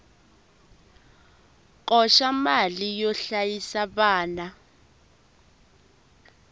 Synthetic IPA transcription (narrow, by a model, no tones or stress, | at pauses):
k̬ʼɔʃamalijɔɬajisaɓaːna